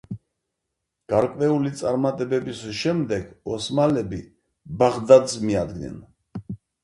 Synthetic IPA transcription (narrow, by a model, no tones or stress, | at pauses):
ɡ̥aɾkʼwɛulit̪sʼaɾmat̪ʼɛbɛbisʃɛmd̪ɛɡɔsmalɛbi | baʁd̪ad̪zmiad̪ɡnɛ̰n